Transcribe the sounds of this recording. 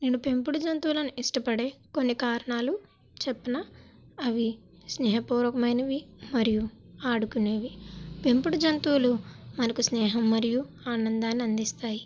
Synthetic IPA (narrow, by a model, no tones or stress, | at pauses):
neːnupe̞mpuɽud͡ʒɐnt̪uːlɐnuʔiʂʈɐpɐɽe̞ːko̞nːikaːɾɐɳaːlu | t͡ʃepːɐnɐ | ɐʋi | snɛːɦɐpuːɾʋɐkɐmɐjnɐʋimɐɾijuaːɽukune̞ːʋipe̞mpuɽud͡ʒɐnt̪uːlumɐnɐkusnɛːɦɐmːɐɾiju | aːnɐnd̪aːnːiɐnd̪ist̪aːji